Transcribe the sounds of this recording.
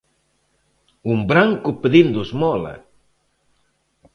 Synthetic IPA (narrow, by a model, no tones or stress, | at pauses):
umbɾaŋkupeðind̪usmɔlɐ̰